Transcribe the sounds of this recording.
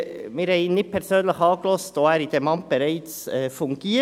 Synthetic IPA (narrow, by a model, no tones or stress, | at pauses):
mɪːɾhɛɪnɪpʰɛɾsøːnləçɑːɡəlɔstoæːɾid̥̪emɑnt̚b̥əɾæɪt͡sɛfʊŋɡ̥iː